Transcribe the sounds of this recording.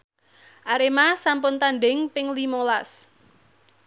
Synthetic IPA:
ʔaɾemasampʊnt̪anɖɪŋpɪŋlimolas

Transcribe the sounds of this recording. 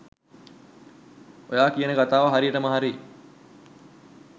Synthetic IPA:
ojaːkijənəɡat̪aːʋaɦaɾijəʈəməɦaɾi

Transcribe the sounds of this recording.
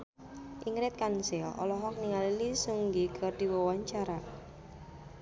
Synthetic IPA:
ʔiŋɾɪt̪̚kansɛlʔɔ̰lɔɦɔk̚niŋalilisuŋɡiɡ̥ɔrd̥̪iwɔwaɲt͡ʃaɾa

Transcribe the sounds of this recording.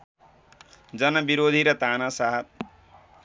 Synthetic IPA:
d͡zʌnʌbiɾoːd̪ʱiɾʌt̪anʌsaɦʌt̪̚

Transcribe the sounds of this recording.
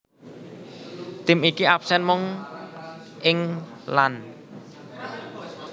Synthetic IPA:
t̪ɪmikiap̚sɛnmʊŋ | ʔɪŋlan

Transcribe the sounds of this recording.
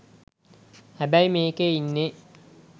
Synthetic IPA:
hæbæimeːkeinːe

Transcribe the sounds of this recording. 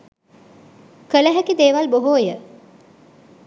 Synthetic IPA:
kələɦækid̪eːʋalboɦoːjə

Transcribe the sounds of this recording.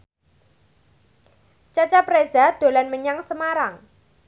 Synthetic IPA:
t͡ʃat͡ʃaprezad̪̥o̤lanməɲaŋsəmaɾaŋ

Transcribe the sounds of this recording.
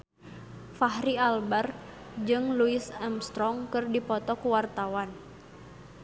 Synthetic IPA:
faɦɾialbar | d͡ʒɨŋluɪsɛmst̪ɾɔŋkɨrdipɔt̪ɔkuwart̪awan

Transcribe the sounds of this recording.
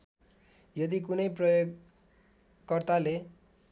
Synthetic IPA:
jʌd̪ik̬unʌjprʌjoɡ | kʌrt̪ale

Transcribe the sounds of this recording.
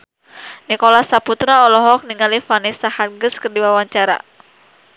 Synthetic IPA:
nikɔlahsaput̪ɾaɔlɔɦɔk̚niŋalifanisahanɡɨskɨrdiwawaɲt͡ʃaɾa̰

